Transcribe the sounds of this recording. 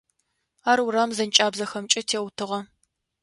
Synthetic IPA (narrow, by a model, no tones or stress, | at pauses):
aːɾuɾaːmzɐnt͡ʃʼaːbzɐxɐmt͡ʃʼɐtʰeːwtʰɨʁɐ